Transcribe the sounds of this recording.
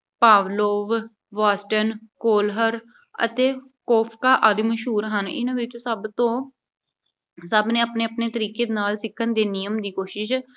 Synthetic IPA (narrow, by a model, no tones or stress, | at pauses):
paːʋloːʋ | ʋaːsʈənkoːlɦəɾ | ə̰t̪eː | koːpʰkaːʔəd̪məʃɦuːɾɦənɪ̰nãːʋɪt͡ʃosəbt̪õː | səbnẽːapneːəpneːt̪əɾiːkeːd̪naːlsɪkʰːənd̪eːnijəmd̪iːkoːʃɪʃ